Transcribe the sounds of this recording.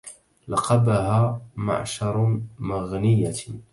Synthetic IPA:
lɑqɑbaɦaːma̰ʕʃɑɾˤmaɣnɪjːa

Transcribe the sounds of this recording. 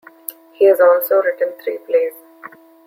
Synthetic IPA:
hiːɛzɔːlsoːɾɪʈə̃nt̪ʰɾiːpleːs

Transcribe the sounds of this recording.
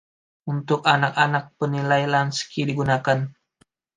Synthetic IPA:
unt̪ʊkanakanak̚pənilajlanskidiɡunakan

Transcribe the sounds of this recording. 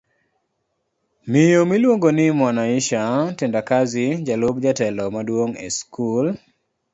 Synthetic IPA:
mijomilwoŋɡonɪmɔnaɪʃatendakazɪd͡ʒalobd͡ʒatɛlɔmadwoŋḛskul

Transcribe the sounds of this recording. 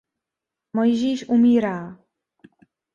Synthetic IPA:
mojʒiːʃʔumiːɾaː

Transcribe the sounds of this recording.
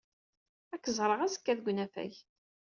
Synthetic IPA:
ækːəzˤɾˤəʁæzə̥kːæðɡʷnæfæ̰ç

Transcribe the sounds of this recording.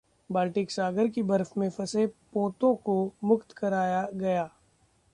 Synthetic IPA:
baːlʈɪksaːɡəɾkibɐɾfmẽfɐsepõːt̪õkomʊkt̪kɐɾaːjaɡɐjaː

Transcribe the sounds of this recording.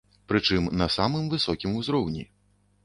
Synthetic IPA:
pɾɨt͡ʂɨmnɐsamɨmvɨsɔkʲimuzɾɔwnʲḭ

